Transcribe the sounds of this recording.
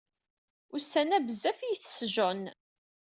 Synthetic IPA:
ʊsænæbəzːæfijθsʒon

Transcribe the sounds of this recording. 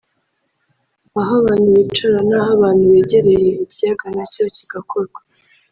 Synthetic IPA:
aɦaβaːnuβit͡ʃaɾanaɦaβaːnhuβeːɟe̞ɾejeicijaɡanacociɡ̥akʰoɾɡa

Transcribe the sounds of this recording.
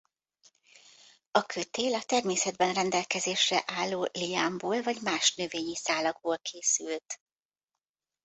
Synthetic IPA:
ɒkʰøt̪eːlɒt̪ɛrmeːsɛd̪̚bɛnrɛnd̪ɛlkɛzeːʃrɛʔaːlːoːlijaːmboːlvɒɟmaːʃnø̞veːɲisaːlɒɡboːlkʰeːsylt̪

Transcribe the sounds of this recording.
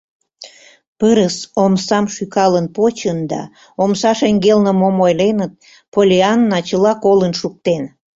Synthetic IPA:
pəɾəsomsɑmʃykɑlənpot͡ɕənd̪ɑ̰ | omsɑʃeŋɡelnəmomojlenət̪̚ | polʲeɑnːɑt͡ɕəlɑkolənʃuk̚t̪en

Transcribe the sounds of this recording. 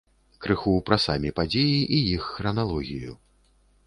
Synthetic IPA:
kɾɨxuwpɾasamʲipad͡zʲejiʔijixːɾɐnalˠɔɣʲijṵ

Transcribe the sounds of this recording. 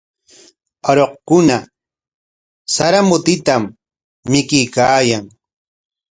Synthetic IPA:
aɾoqkʊna | saɾamʊt̪ɪt̪amː | ɪkɪjkaːjaŋ

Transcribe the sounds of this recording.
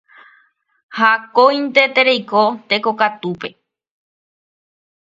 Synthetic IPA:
hakoj̃nt̪e̞t̪eɾejkot̪e̞ko̞kat̪upe̞

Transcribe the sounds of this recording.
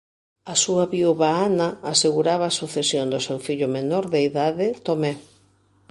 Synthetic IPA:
asuɐβiuβaanɐːseɣuɾaβaːsuθesjond̪ʊsewfiʎʊmenoɾðeiðaðɪt̪omɛ

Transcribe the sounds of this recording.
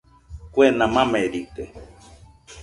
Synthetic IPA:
kwenãmãmeɾit̪e

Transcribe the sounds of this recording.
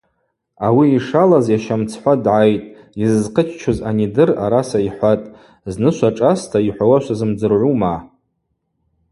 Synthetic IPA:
awiːʂalazjaʃamt͡sʰħʷadʕajtʼ | izɨzqʰət͡ʃʰt͡ʃʰozanidɨraɾasaiħʷatʼ | znɨʃʷaʈ͡ʂʼastʰaiħʷawaʃʷazɨmd͡zɨrʕʷuma

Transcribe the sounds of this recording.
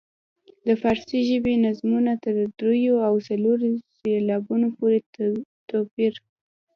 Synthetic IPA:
d̪əfɑɾsiʒəbenazmunat̪əɾd̪ɾujoawsaloɾselɑbunopoɾet̪ɑpiɾ

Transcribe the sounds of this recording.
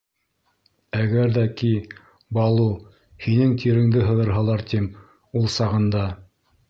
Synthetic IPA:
æɡæɾðæki | bɑlˠu | hinɘŋt̪ʰiɾɘ̆ŋd̪ɘɦɤ̆ðɤ̆ɾɦɑlˠɑɾt̪im | ulˠsɑʁɤ̆nd̪ɑ

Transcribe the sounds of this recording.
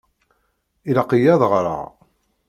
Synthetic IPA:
ilɑqijæðˤʁɾa̰

